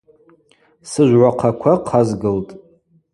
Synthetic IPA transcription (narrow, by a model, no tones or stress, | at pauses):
sɨʒʷʕʷaqʰakʷʰaqʰazɡɨltʼ